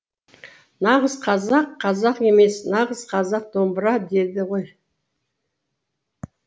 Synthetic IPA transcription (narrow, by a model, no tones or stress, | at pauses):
nɑʁəzqʰɑzɑqʰːɑzɑqe̞me̞snɑʁəz̥qʰɑzɑq̚d̪o̞mbəɾɑd̪e̞ɾd̪ɪʁo̞j